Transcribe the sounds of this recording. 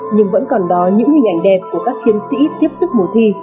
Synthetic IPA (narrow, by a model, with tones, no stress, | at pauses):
ɲɨ˧ŋvə̰˧˥nkɔ˨˩nɗɔ˨˦ɲɨ̰˧˥ŋhï˨˩ŋʔa˧˩jŋ̟ɗɛ˨˩p̚ku˧˩əkaː˦˥k̚t͡ɕi˨˦ənsḭ˧˥t̪i˦˥əp̚sɨ˦˥k͡p̚mo˨˩t̪ʰi˧